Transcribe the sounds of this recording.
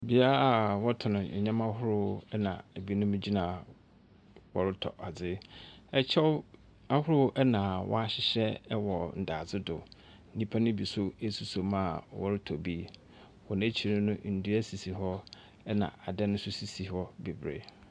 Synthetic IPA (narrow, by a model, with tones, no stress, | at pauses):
bi˨a˦la˨wɔ˦tʰʊ˨nʊ̃˨ɛ˨ɲã˦mã˦hʊ˦ɾʊ˦ɛ˦nã̰˨æ˨bi˦nʊ̃˦m̃˦d͡ʑi˦nã˨ | wɔ˨ɾɪ˦tʰɔ̰˨ʔa˨d͡zɪ˦ɛ˦t͡ɕʰɛ˦ | a˦hʊ˦ɾʊ˦ʔɛ˦nã˨wʔɔ̰˦a˦ɕɪ˦ɕɛ˦wɔ˨n̩˨da˨d͡zɪ˦dʊ̰˨ | n̩˦nĩ˦pʰa˦nʊ̃˦bi˨sʊ˦e˦su˦so˨mã˦˨wɔ̰˦ɾɪ˦tʰɔ˨bi˦ | wɔ˨næ̃˦t͡ɕʰi˨nʊ̃˦nʊ̃˦n̩˨du˦æ˦si˨si˨ɦɔ˦ | ɛ˦nã̰˨a˨dɛ˦nʊ̃˦sʊ˦si˨si˨hɔ˦be˨bɾḛ˦